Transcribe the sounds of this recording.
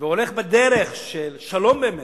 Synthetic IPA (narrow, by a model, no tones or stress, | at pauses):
veoleχbed̪eʁeχʃelʃalombeme